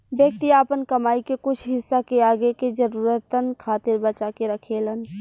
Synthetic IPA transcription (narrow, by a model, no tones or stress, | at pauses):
ʋjək̚t̪iaːpənkɐmaːikekʊt͡ʃʰɦɪsːakeaːɡeked͡ʒəɾuːɾət̪ənkʰaːt̪ɪɾbət͡ʃakeɾɐkʰeːlən